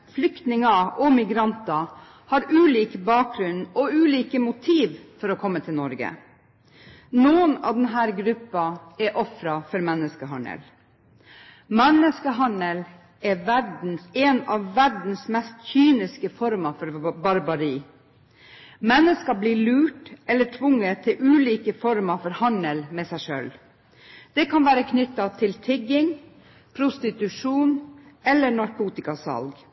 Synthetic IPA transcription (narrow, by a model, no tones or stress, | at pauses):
flʏkt̪nɪŋɑʔɔmɪɡɾɑnt̪ɑ | hɑːɾʉːliːkbɑːk̚ɡɾʉnɔʉːliːkəmʊt̪ʰiːʋfɔɾɔkʰɔmːət̪ʰɪlnɔɾɡə̰ | nuːənɑ̰d̪ɛnɦæːɾɡɾʉpːɑɛʔɔfɾɑfɔɾmɛnːəskəɦɑɳə̰l | mɛnəskəɦɑɳəl | ɛʋæɾɖn̩sɛnɑʋːæɖn̩smɛst̪çyːnɪskəfɔɾmɑfɔɾbɑɾbɑɾiː | mɛnːəskɑbliːɭʉːʈɛlːəʈʰʋʊŋːət̪ʰːɪlʔʉːliːkəfɔɾmɑfɔɾhɑnəlmɛːsæɪʂø̰ːl | d̪̥ɛkʰɑnʋæːɾəkʰnʏt̪ːɑt̪ʰɪlt̪ʰɪɡɪŋ | pʰɾʊst̪ɪt̪ʉʂuːnɛlːəɳɑɾkʰuːt̪ɪkɑsɑ̰lɡ